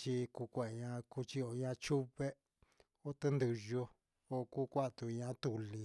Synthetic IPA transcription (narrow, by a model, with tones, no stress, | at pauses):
t͡ʃi˧˦ku˧kʷe˧˨˧ɲã˧ku˧˦t͡ʃi˦o˧˨˧ɲã˧t͡ʃu˦βe˦ | o˦t̪e˦nd̪ɨ˧ʒo˧ | o˧˨ku˦kʷa˦˧t̪u˧ɲã˧t̪u˨li˨˧